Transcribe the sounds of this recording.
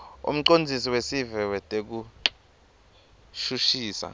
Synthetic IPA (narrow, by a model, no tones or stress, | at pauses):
ṵm̩ǃond͡zʱisiwesivɛwɛtʼek̬u | ʃuʃiːsa̰